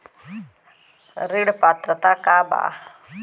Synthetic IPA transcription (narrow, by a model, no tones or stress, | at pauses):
ɾiɽpaːt̪ɾɐt̪akaːba̰ː